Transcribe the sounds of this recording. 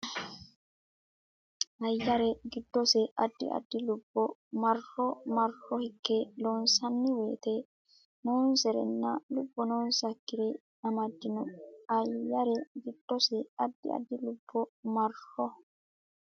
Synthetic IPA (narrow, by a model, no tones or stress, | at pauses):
ʔɐjːɐɾɛɡɪd̪ːɔsɛʔɐd̪ːɪ̰ʔɐ̰d̪ːɪlʊb̥ːɔmɐrːɔmɐɾhɔhɪkːeloːnsɐnːɪweːt̪ɛ | noːnsɛɾɛ̰nːɐlʊbːɔnoːnsɐkːɪɾe | ɐmɐd̪ːɪnʊɐjːɐɾɛɡɪd̪̥ːɔsɛɐd̪ːɪ̰ɐ̰d̪ːɪlʊb̥ːɔmɐɾɔ